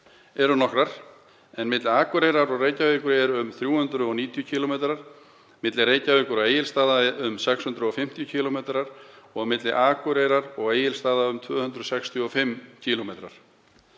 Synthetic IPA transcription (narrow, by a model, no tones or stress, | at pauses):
ɛɾʏnɔhkɾaɾ̥ | ɛnmɪt̪lɪaːkʏɾejɾaɾɔɣreːjcaveːkʏɾɛɾʏmθɾjuːhʏnt̪ɾʏɔniːt̪jʏcʰiːlɔmet̪ɾaɾ̥ | mɪt̪lɪreːjcaveːkʏɾaeːjɪlst̪aːðaʏmsɛkshʏnt̪ɾʏɔfɪm̥t̪jʏcʰilɔmet̪ɾaɾ̥ɔɣmɪt̪lɪʔaːkʏɾeːjɾaɾɔɣeːjɪlst̪aːðaʏmt̪ʰvœːhʏnt̪ɾʏsɛkst̪ʰjʏɔfɪmːcʰilomejt̪ɾa̰ɾ̥